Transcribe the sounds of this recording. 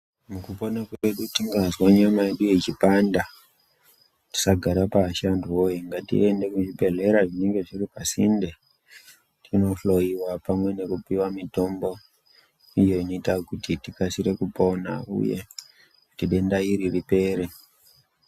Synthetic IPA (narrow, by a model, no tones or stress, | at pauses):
mukupo̞nakeɗutiŋɡazwaɲamae̞ɗujet͡ʃipanda | ti̥saɡʱaɾapaʃanduwoiŋɡatḭʔe̞nde̞kuʐibe̞ɮe̞ɾaʐine̞ŋɡe̞ʐiripasḭnde | tʰino̞ɬo̞iwapamwe̞ne̞kupiwamito̞mbo̞ | ijo̞ino̞itakutitikasiɾe̞kupona̰ṵjḛ | utiɗe̞ndaiɾiripe̞ːɾe